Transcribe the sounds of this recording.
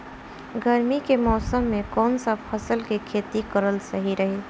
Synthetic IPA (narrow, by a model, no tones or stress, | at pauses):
ɡʱəɾmikemɔːsəmːẽkɔːnsapʰəsəlkikʰeːt̪ikəɾəlsəɦiɾəɦe